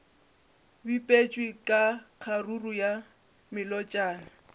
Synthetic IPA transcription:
bipʼet͡ʃʼwɪkʼaq͡χʰaruruja | mɪlɔt͡ʃʼaːna

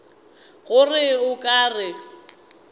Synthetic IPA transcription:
ɣʊrɪʊkʼaːrɪ

